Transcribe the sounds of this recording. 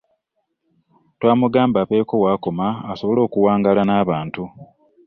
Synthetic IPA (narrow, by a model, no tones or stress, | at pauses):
twaːmuɡaːmbaβe̞ːko̞waːko̞maːso̞βo̞lo̞ːkuwaːŋɡalanaːβaːntu